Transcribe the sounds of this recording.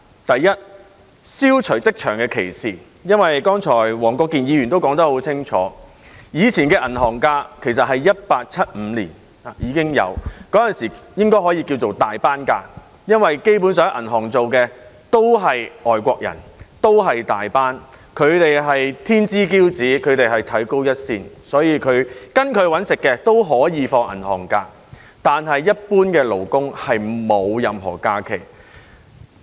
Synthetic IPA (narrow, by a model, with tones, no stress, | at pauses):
t̪ɐ˨jːɐ˥t̚ | siː˥wt͡ʃʰɵ˨˩ɥt͡sɪ˥k̚t͡ʃʰœː˨˩ŋkɛː˧kʰḛ˨˩jsiː˨ | jɐ˥nwɐ˨jkɔː˥ŋt͡ʃʰɔː˨˩jwɔː˨˩ŋkʷɔː˧kːi˨njiː˨˧jy˨nt̪o˥wkɔː˨˥ŋt̪ɐ˥ho˨˥wt͡sʰɪ˥ŋt͡ʃʰɔː˨˥ | jiː˨˧t͡sʰiː˨˩nkɛː˧ʔɐ˨˩nɦɔː˨˩ŋkaː˧kʰe˨˩js̬ɐ˨t̚ɦɐ˨jjɐ˥t̚paː˧k̚t͡sʰɐ˥t̚m̩ː˨˧lḭː˨˩n | aː˨jiː˨˧kɪ˥ŋjɐ̰˨˧wkɔː˨˥jɐ˨nsiː˨˩jɪ˥ŋkɔː˥jɦɔː˨˥ji˧ki˧wt͡so˨wt̪aː˨jpaː˥nka̰ː˧ | jɐ˥nwɐ˨jke˥jp̬u˨˥nsœː˧˥ŋ˥ʔɐ̰˨˩nɦɔː˨˩ŋt͡so˨wkɛː˧t̪o˥wɦɐ˨jɔː˨jkʷɔː˧k̚jɐ̰˨˩nt̪o˥wɦɐ˨jt̪aː˨˩jpaː˥n | kʰɵ˨˧ɥt̪e˨jɦɐ˨jt̪ʰiː˥nt͡siː˥kiː˥wt͡siː˨˥kʰɵ˨˧ɥt̪e˨jɦɐ˨jt̪ʰɐ˨˥jko˥wjɐ˥t̚siː˧nsɔː˨˥jiː˨˧kʰɵ˨˧ɥkɐ˥nkʰɵ˨˧ɥwɐ˨˥nsɪ˨kːɛː˧t̪o˥wɦɔː˨˥jiː˨˧fɔː˧ŋʔɐ̰˨˩nhɔ̰ː˨˩ŋkaː˧ | t̪aː˨nɦɐ˨jːɐ˥t̚puː˥nkɛː˧lo˨˩wkʊ˥ŋhɐ˨jmo˨˧wjɐ˨˧mɦɔ̰ː˨˩kaː˧kʰe˨˩j